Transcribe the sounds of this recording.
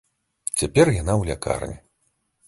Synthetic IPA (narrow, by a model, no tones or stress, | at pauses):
t͡sʲapʲɛrjanawlʲaka̰rnʲɛ